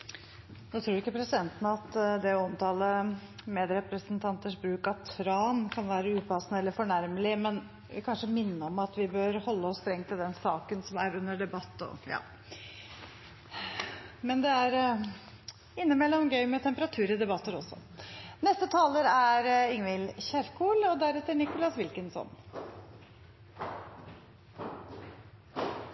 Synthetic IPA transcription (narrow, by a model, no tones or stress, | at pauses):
noːt̪ʰɾuːɾɪkːəpʰɾɛsɪd̪ɛnt̪ənəɑt̪d̪ɛɔmt̪ʰɑːləmeːd̪ɾɛpɾəsənt̪ʰɑnt̪əʂbɾʉːkɑt̪ʰɾɑːnkʰɑnʋæːɾəʉːpʰɑsːnəɛlːəɾfɔɳæɾməlɪmɛn | kʰɑnʂəmɪnːəɔmɑt̪ʋɪbøːɾhɔlːəɔst̪ɾɛŋt̪ʰɪld̪ɛnsɑːkənsɔmæɾʉnːəɖɛbɑt̪ːɔ̰jɑ̰ː | mɛnd̪ɛæɾ | ɪnːəmɛlːɔmɡœʏmɛt̪ʰɛmpəɾɑt̪ʰʉːɾɪd̪ɛbɑt̪ːəɾɔsːɔ̰nɛst̪ət̪ʰɑːləɾæɾɪŋʋɪlçæɾkʰuːlɔd̪æɾɛt̪ːəɾɳɪkʊlɑsʋɪlkənsɔ̰n